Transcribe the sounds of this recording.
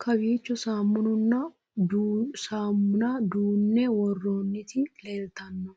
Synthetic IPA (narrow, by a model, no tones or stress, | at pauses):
kʰɐbiːt͡ʃːʊsaːmːʊnʊnːɐ | d̪usaːmːʊnɐd̪uːnːɛwɔrːoːnːɪt̪ɪleːlt̪ɐnːɔ